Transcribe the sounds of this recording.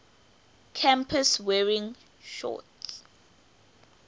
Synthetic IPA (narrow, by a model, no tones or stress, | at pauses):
kʰãmpʰəswɛɹĩŋ | ʃɔ̰ts